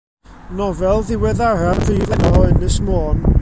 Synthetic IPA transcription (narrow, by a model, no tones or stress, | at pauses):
nɔvɛlˠðɪwɛðararviːdlˠɛnɔhɔɨnmɪsmoːn